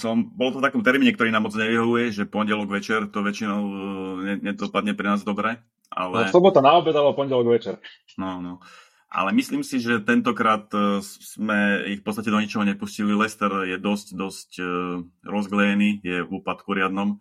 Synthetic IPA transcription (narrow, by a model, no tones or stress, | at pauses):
sɔmbɔlɔt̪ɔft̪akɔmt̪ɛɾmiːɲɛkt̪ɔɾiːnaːmɔd͡zɲɛʋiɦɔʋujɛʒɛpɔnɟɛlɔɡʋɛt͡ʃɛɾt̪ɔʋɛt͡ʃinɔʊɲɛɲɛd̪ɔpad̪ɲɛpɾɛnaːzd̪ɔbɾɛ | ʔa̰lɛslɔbɔt̪anaɔbɛdalɛbɔpɔɲɟɛlɔɡʋɛt͡ʃɛɾ | nɔnɔ | ʔa̰lɛmisliːmsiʒɛt̪ɛnt̪ɔkɾaːt̪smɛifpɔtt͡sst̪acɛd̪ɔɲit͡ʃɔɦɔɲɛpuscililɛst̪ɛɾjɛd̪ɔscd̪ɔsc | ɾɔzɡlɛjɛniːjɛuːpat̪kuɾɪad̪nɔm